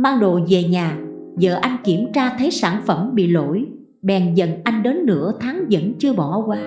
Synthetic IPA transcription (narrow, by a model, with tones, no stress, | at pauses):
maː˧ŋɗo̰˧˨ze˨˩ɲaː˨˩ | zə̰ː˧˨ʔa˧jŋ̟ki˧˩əmt͡ɕaː˧t̪ʰə˨˦jsaː˧˩nfə˧˩mɓḭ˧˨lo̰˧˥j | ɓɛ˨˩nzə̰˧˨nʔa˧jŋ̟ɗe˨˦nːɨ̰˧˥ət̪ʰaː˨˦ŋzə̰˧˥nt͡ɕɨ˧əɓɔ˧˩kwaː˧